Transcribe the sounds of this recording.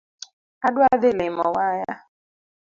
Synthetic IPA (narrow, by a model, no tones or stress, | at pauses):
adwaðɪlɪmɔ̰waja